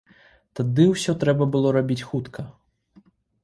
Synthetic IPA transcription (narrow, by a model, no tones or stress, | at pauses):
t̪ad̪ɨwsʲɔt̪ɾɛbɐbɨlˠɔɾabʲit͡sʲxut̪kʰɐ